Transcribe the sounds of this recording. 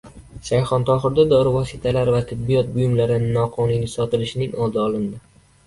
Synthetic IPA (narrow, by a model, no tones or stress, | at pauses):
ʃajχɒnt̪ʰɒχɨɾd̪ad̪ɒɾɪvɒsɪt̪ʰalaɾvat̪ʰɪbːijɒt̪̚bʊjɪmlaɾɪnɪnɒqʰɒnʊjnʲɪsɒt̪ɪlɪʃɪnɪŋɒlˠd̪ɪɒlˠɪnd̪ɪ